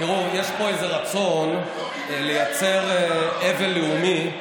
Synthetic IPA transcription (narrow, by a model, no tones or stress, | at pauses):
iʁuje̞ʃpo̞e̞ze̞ʁat͡so̞n | le̞jat͡se̞ʁeve̞nlːeumi